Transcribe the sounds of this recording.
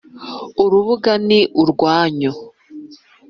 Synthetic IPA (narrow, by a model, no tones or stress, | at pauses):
uɾuβuɡaniʔuɾɡwaːɲo